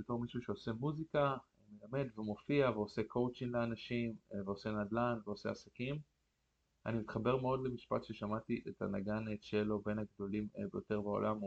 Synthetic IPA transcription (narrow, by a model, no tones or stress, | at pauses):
beto̞ʁmiʃuʃe̞ose̞muzika | melame̞d̪vemo̞fiaveo̞se̞kʰo̞wt͡ʃiŋleanaʃimveo̞se̞nadlanveose̞asakim | a̰nimit̪χabe̞ʁmeo̞dle̞miʃpat̪ʃe̞ʃamat̪iʔet̪a̰naɡanetʃelo̞be̞nhaɡd̪o̞limbejo̞te̞ʁbao̰lʔam